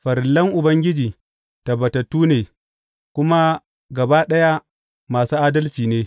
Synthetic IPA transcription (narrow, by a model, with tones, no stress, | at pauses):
ɸɐ˨ɾlɐ˦ŋʔʊ˨bɐ˦ŋɡʲɪ˦d͡ʒiː˨ | tɐ˨bɐ˨tɐ˨tːuː˦neː˨ | kʷʊ˦ma˦ | ɡɐ˨baː˦ɗɐ˦ja˦ | maː˨suː˦ʔaː˦dɐ˦lt͡ʃiː˨neː˦